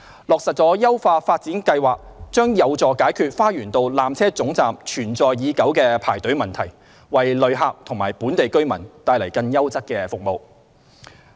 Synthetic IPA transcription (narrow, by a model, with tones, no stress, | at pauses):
lɔː˨ksɐ˨t̚t͡sɔː˨˥jɐ˥wfaː˧faː˧t̚t͡siː˨˥nkɐ˧jwaː˨˩k̚t͡ʃœː˥ŋjɐ˨˧wt͡sɔː˨kaː˨˥jkʰyː˧t̚faː˥jyː˨˩nt̪o˧wlaː˨mt͡sʰɛː˥t͡sʊ˨˥ŋt͡saː˨mt͡ʃʰyː˨˩nt͡sɔː˨jjiː˨˧kɐ˨˥wkɛː˧pʰa̰ː˨˩jt̪ɵ˨˥ɥmɐ˨nt̪ʰɐ˨˩j | wɐ˨jlɵ˨˧ɥɦaː˧˥p̚t̪ʰʊ˨˩ŋmaː˨˩jpuː˨˥nt̪e˨jkɵ˥ɥmɐ˨˩nt̪aː˧jlɐ˨˩jkɐ˧njɐ˥wt͡sɐ˥t̚kɛː˧fʊ˨k̚mo˨˧w